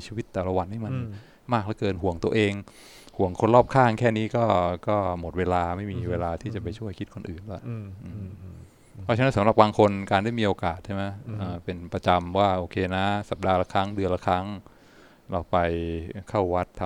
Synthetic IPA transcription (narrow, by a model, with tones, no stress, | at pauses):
t͡ɕʰiː˧wi˦˥t̪ːɛː˨˩la˧wa˧nha˥˩ma˧n | maː˥˩k̚la˦˥kɤː˧nɦu˨˩˦əŋt̪u˧əʔeː˧ŋ | hu˨˩˦əŋkʰo˧nlɔː˥˩p̚kʰaː˥˩ŋkʰɛː˥˩niː˦˥kɔː˥˩kɔː˥˩mo˨˩t̪̚weː˧laː˧ma˥˩jmiː˧weː˧laː˧t̪ʰiː˥˩t͡ɕa˨˩pa˧jt͡ɕʰu˥˩əjkʰi˦˥t̪̚kʰo˧nʔɯː˨˩nla˨˦˩ʔɯː˧˩ | pʰɔ˦˥t͡ɕʰa˧na˦˥nsa˨˦mɾa˨˩p̚baː˧ŋkʰo˧nkaː˧nda˥˩jmiː˧ʔoː˧kaː˨˩t̪̚t͡ɕʰa˥˩ma˦˥jʔɤː˧˩pe˧npɾa˧t͡ɕa˧mwaː˥˩ʔoː˧kʰeː˧na˦˥sa˨˩p̚daː˧la˦˧˩kʰɾa˦˥ŋdɯ˧ənla˧˩kʰa˦˥ŋ | ɾa˧wpa˧jkʰa˥˩wwa˦˥t̪ʰː